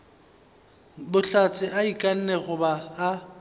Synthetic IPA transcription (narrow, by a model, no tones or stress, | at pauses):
bʊɬat͡sʼɪʔaikʼan̩nɛɣʊbaː